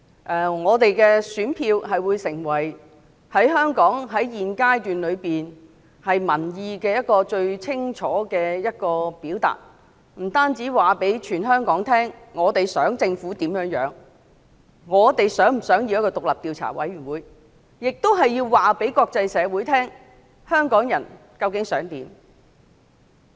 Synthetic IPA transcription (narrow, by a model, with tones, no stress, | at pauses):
ʔɛː˨ŋɔː˨˧t̪e˨jkɛ˧syː˨˥npʰiː˧wɦɐ˨jwuː˨˧jsɪ˨˩ŋwɐ˨˩j | hɐ˨˥jɦœː˥ŋkɔː˨˥ŋɦɐ˨˥jjiː˨nkaː˥jt̪yː˨nlɵ˨˧ɥpiː˨n | hɐ˨jmɐ˨˩njiː˧kɛː˧jɐ˥t̚kɔː˧t͡ʃɵ˧ɥt͡sʰɪ˥ŋt͡ʃʰɔː˨˥kɛː˧jɐ˥t̚kɔː˧piː˨˥wt̪a̰ː˨˩t̚ | m̩˨˩t̪aː˥nt͡siː˨˥waː˨pe˨˥jt͡ʃʰyː˨˩nɦœː˥ŋkɔː˨˥ŋt̪ʰɛː˥ŋːŋɔː˨˧t̪e˨jsœː˨˥ŋt͡sɪ˧ŋfuː˨˥t̪iː˨˥mjœː˨˥ŋjœ̰ː˨˥ŋ | ŋɔː˨˧t̪e˨jsœː˨˥ŋm̩˨˩sœː˨˥ŋji˧jɐ˥kɔː˧t̪ʊ˨k̚lɐ˨p̚t̪iː˧wt͡sʰa̰ː˨˩wɐ̰˨˥jɥy˨˩nwuː˨˥˦j | jɪ˨k̚t̪o˥wɦɐ˨jiː˧wwaː˨pe˨˥jkɔː˧k̚t͡sɐ˧jsɛː˨˧wuː˨˥jt̪ʰɛː˥ŋ | hœː˥ŋkɔː˨˥ŋjɐ̰˨˩n | kɐ˧wkɪ˨˥ŋsœː˨˥ŋt̪iː˨˥m